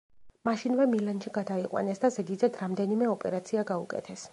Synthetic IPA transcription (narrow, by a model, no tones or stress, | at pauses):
maʃinvɛmilanʃiɡad̪aiqʼwa̰nɛsd̪azɛɡ̪id̪zɛd̪ɾamd̪ɛnimɛɔpʼɛ̰ɾat̪sʰiaɡaukʼɛ̰t̪ʰɛs